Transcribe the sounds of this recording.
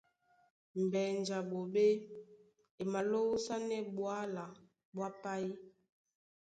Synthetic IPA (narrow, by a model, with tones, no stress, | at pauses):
m̩˨bɛ˨nd͡ʒa˨ɓo˨ɓe˦ | e˨ma˨lo˦wu˦sa˦nɛ˦ɓwa˦la˨ | ɓwa˦pa˦i˦